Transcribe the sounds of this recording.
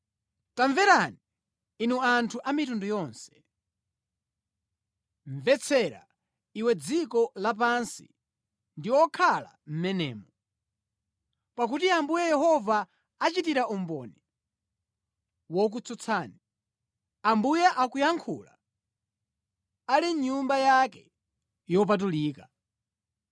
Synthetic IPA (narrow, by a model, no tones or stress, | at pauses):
taɱvɛɾani | inuantʰuʔamitundujɔːnsɛ̥ | ɱvɛt͡sʰɛɾa̰ | iwɛd͡zikɔlap̬ansḭ | ndiwɔkʰala̰m̩mɛnɛ̰ːmɔ | pakutiambujɛjɛhɔvaː | t͡ʃitiɾaumbɔ̰nɛ | wɔk̬ut͡sut͡sʰaːni | ambujɛʔakujaŋkʰṵla̰ | aliɲumbajakɛ | jɔp̬at̬uliːka